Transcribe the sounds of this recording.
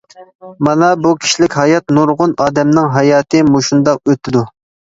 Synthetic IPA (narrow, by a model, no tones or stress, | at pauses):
mɑnɑbukʲʰi̥ʃlɪkʲɦɑjɑt̪nuɾʁʊnɑːd̪ɛmnɨŋɦɑjɑːt̪ʰɨmoʃund̪ɑq̚øt̪ʰɪd̪u